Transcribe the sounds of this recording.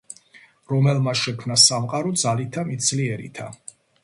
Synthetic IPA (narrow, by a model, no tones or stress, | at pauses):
ɾɔmɛlmaʃɛkʰmnasamqʼaɾɔd̪zalit̪ʰamit̪sʰliɛɾḭt̪ʰa